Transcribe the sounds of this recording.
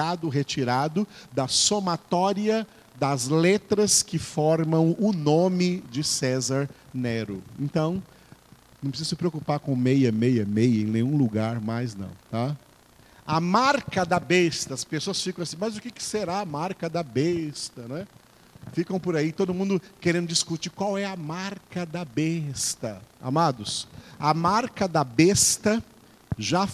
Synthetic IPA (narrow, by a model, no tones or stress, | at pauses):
ad̪ʊɦet͡ʃiɾad̪ʊd̪ɐsomat̪ɔɾiɐ | d̪ɐzlet̪ɾɐskɪfɔɾmɐ̃w̃ʊnõmɪd͡ʒɪsɛzaɾneɾʊḛ̃nt̪ɐ̃w̃ | nɐ̃pɾsizʊsɪpɾeokupaɾkõmejɐmejɐmejɐḛ̃nẽɲ̃ũluɡaɾmajznɐ̰̃w̃t̪a | ɐmaɾkɐd̪ɐbest̪ɐɐspesoɐsfikɐ̃w̃asĩmɐjzʊkɪkɪ̥seɾaɐmaɾkɐd̪ɐbest̪ɐnɛ̃ | fikɐ̃w̃poɾait̪od̪ʊmũnd̪ʊkeɾẽnd̪ʊd͡ʒiskut͡ʃiɾkwawɛɐmaɾkɐd̪ɐbest̪ɐa̰mad̪ʊsɐmaɾkɐd̪ɐbest̪ɐ | ʒa